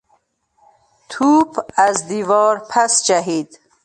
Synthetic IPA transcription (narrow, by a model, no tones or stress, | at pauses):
t̪ʰuːbæzd̪iːvɒːɾpʰæsd͡ʒaɦiːd̪